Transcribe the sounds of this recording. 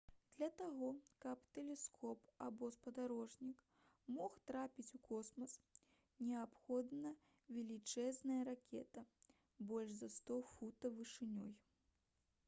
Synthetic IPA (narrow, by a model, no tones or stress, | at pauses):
d̪̥lʲɐt̪aɣɔkɐpt̪ɛlʲɛskʰɔpabɔspɐd̪aɾɔʐnʲik | mɔxt̪ɾapʲit͡sʲukʰɔsmɐs | nʲɛapxɔd̪nɐ | vʲɛlʲit͡ʂɛznɐjɐɾakʲɛ̰t̪ɐ | bɔlʲʐzɐst̪ɔfut̪ɐvɨʂɨnʲɔj